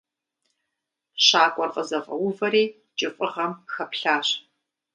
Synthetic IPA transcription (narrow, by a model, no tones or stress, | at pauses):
ɕaːkʷʼɔrqʼəzɐʁɐ̰wʊvɐɾeː | t͡ʃʼɪfʼɨʁɐmxɐpɬaːɕ